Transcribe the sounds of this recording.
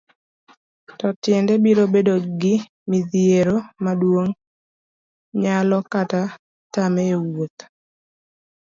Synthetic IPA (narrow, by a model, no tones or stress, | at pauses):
tɔtjɛndɛbiɾobedoɡɪ | miðieɾomadwoŋ | ɲalɔkata | tamewot̪